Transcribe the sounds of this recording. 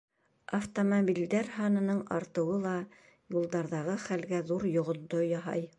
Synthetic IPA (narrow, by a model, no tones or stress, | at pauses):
ɐft̪omobʲild̪æɾɦɑnɤ̆nɤɴɑɾt̪ɤ̆wɤlˠɑ | julˠd̪ɑɾðɑʁɤχælɡæðuɾjŏʁŏnd̪ojɑɦɑ̰j